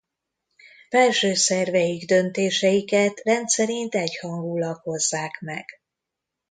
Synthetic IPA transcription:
fɛlʃøːsɛrvɛjiɡd̪ø̞nt̪eːʃɛjikɛt̪rɛnt̪sɛɾint̪ɛchɒŋɡuːlɒkho̞zːaːkmɛɡ̥

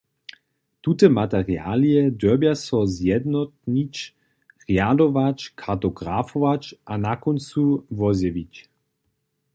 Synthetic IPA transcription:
t̪ut̪ɛmat̪ɛʁja̰ːliɛd̪œbjasɔzjɛd̪nɔt̪̚nit͡ʃ | ʁjadɔvat͡ʃkʰaʁt̪ɔɡʁafɔvat͡ʃʔanakɔnt͡suvɔzɛvit͡ʃ

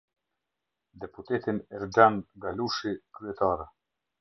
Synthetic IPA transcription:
d̪ɛput̪ɛt̪inɛɾd͡ʒanŋɡaluʃikɾyɛt̪aɾɛ

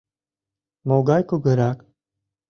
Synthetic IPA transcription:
moːɡaːjkoɡəɾaːk

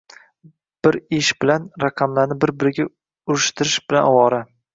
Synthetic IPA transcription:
b̥ɪɾɪʃbɪlanɾɑqʰɑmlaɾnɪbɪɾbɪɾɪɡʲa | ʊɾɪʃt̪ʰɪɾɪʃbɪla̰nwɒɾa

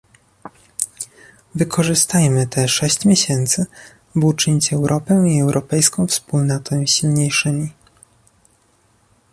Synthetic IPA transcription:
vɘkʰɔʐɘst̪ajmɘt̪ɛʂɛɕt͡ɕmʲjeɕɛnt̪sɘ | but͡ʂɘɲit͡ɕɛwɾʔɔpɛiɛwɾʔɔpɛjskɔ̃w̃fspulnat̪ʰɛɕilɲejʂɘmʲi

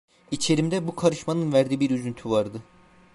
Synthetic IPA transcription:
it͡ʃʰe̞ɾimd̪ɛbukʰaɾɯʃmanɯnvæɾd̪iːbiɾyzynt̪ʰyvaɾd̪ɯ

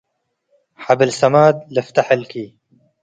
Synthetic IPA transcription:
ħabɪlsamaːd̪̚lɪft̪aħɪlkiː

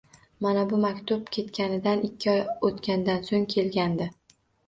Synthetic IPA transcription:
manabʊmakʲt̪ʰʊp̚kʲʰe̞t̪kʲanɪd̪anɪkʲʰːɪɒjot̪kʲanɪd̪ansoŋkʲʰe̞lɡʲand̪ɪ

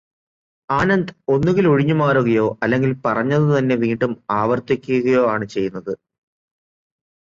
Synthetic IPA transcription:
aːnɐnd̪o̞nːuɣiloɻiɲːumaːɾuɣɐjo̞ːʔɐlːe̞ŋɡilpɐrɐɲːɐðɨt̪ɐnːe̞ʋiːɳɖumaːʋɐrt̪ikʲːujuɣɐjo̞ːaːɳɨt͡ɕe̞jːunːɐðɨ

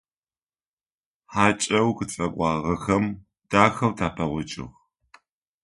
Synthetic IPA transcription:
ħaːt͡ʃʼɐwxɨt͡sʼɐkʷʼɑːʁɐxɐm | d̥aːxɐwtʰaːpʰɐʁʷɔt͡ʃʼɪ̰ʁ

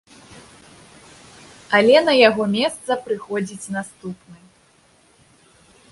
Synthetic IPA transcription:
ɐlʲɛnɐjaɣɔmʲɛst̪sɐpɾɨxɔd͡zʲit͡sʲnast̪upnɨ

